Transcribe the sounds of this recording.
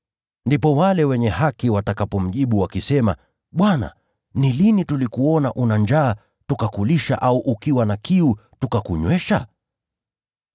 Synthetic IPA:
ndipɔwalɛwɛɲɛhakiwatakapɔm̩ʄiɓuwakisɛma̰ | ɓwana̰ | nilinitulikuɔnaʔunand͡ʒaː | tukakuliʃa̰ʔauʔukiwanakiutukakuɲwɛʃa̰

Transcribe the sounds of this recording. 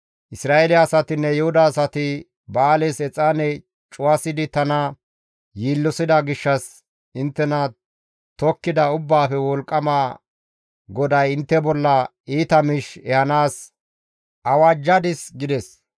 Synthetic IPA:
ʔɪsɾaːelɪɐsɐt̪ɪnːɛjɛhʊd̪aːsɐt̪ɪ | baːlesɛt͡sʼːaːnɛ | t͡ʃʼʊɐsɪd̪ɪt̪ɐnɐ | jiːlːɔsɪd̪ɐɡɪʃːɐs | ɪnt̪ːɛnɐ | t̪ɔkːɪd̪ɐʊbːaːfɛwɔlkʼːɐmaː | ɡɔd̪ɐjɪnt̪ːɛbɔlːɐ | iːt̪ɐmɪʃɛhɐnaːs | ɐwaːd͡ʒːɐd̪ɪsɡɪd̪ɛs

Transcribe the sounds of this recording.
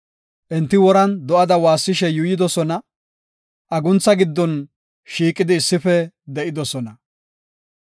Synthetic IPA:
ʔɛnt̪ːɪwɔɾɐnd̪ɔʔɐd̪ɐwaːsːɪʃɛjʊjɪd̪ɔsɔnɐ | ʔɐɡʊnt͡sːɐɡɪd̪ːɔn | ʃiːkʼːɪd̪ɪːsːɪfɛ | d̪ɛʔɪd̪ɔsɔnɐ

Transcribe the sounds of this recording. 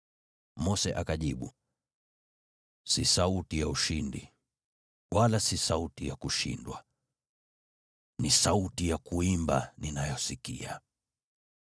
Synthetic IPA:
mɔsɛʔakaʄiɓu | sisautijauʃindḭ | wʔalasisautijakuʃḭndwa | nisautijakuimba̰ninajɔsikḭa̰

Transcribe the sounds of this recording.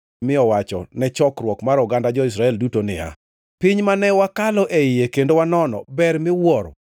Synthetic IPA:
mɪɔwat͡ʃɔ̰nɛt͡ʃɔkɾwɔkmaɾʊɡandad͡ʒɔis̬ɾaɛldutonɪ̰a̰ | pɪɲmanɛwakalɔʔeɪjekendowanɔnɔ̰bɛrmɪwɔɾ

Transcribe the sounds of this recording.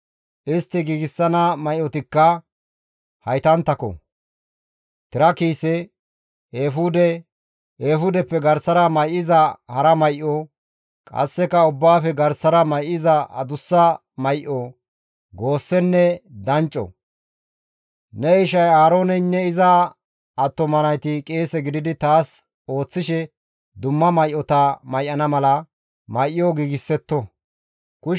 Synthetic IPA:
ʔɪst̪ːɪɡiːɡɪsːɐnɐmɐjʔɔt̪ɪkːɐ | hɐjt̪ɐnt̪ːɐkɔ̰ | t̪ɪɾɐkiːsɛ | eːfʊd̪ɛ | eːɦʊd̪ɛpːɛɡɐɾsɐɾɐmɐjʔɪzɐhɐɾɐmɐjʔɔ | kʼɐ̰sːɛkɐʊbːaːfɛɡɐɾsːɐɾɐmɐjʔɪzɐʔɐ̰d̪ʊsːɐ | mɐjʔo | ɡo̞ːsːɛnːɛd̪ɐnt͡ʃʼːɔ̰ | nɛɪʃɐjaːɾo̞ːnɛnːɛɪzɐ | ɐt̪ːɔmɐnɐjt̪ɪkʼe̞ːsɛɡɪd̪ɪd̪ɪt̪aːs | o̞ːt͡sːɪʃɛ | d̪ʊmːɐmɐjʔːɔt̪ɐmɐjʔɐnɐmɐlɐ | mɐjʔɪjɔɡiːɡɪsːɛt̪ːɔ | kʊ

